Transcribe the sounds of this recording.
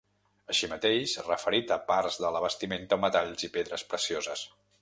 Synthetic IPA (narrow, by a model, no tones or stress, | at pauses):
əʃimət̪eʃrəfəɾit̪əpaɾzðələβ̞əst̪iment̪əomət̪aʎzipeðɾəspɾəsiozəs